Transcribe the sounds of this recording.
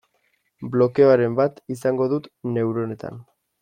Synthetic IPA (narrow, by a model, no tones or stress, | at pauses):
blo̞keoaɾe̞mbat̪is̬aŋɡo̞ðut̪ne̞uwɾo̞ne̞t̪a̰n